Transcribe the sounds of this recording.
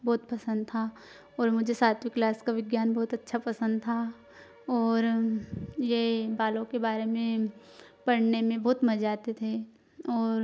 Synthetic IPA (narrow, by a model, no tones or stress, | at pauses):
bɔːt̪pɐsə̃nd̪̚t̪ʰa | ɔːɾmʊd͡ʒʱesaːt̪ʋɪklaːskaʋɪɡjaːnbɔɦːt̪ɐtːʃʰapɐsə̃nd̪t̪ʰa | ɔːɾ | jebaːlõkebaːɾemẽ | pɐɽnemẽbɔɦːt̪mɐd͡ʒaːt̪et̪ʰe | ɔːɾ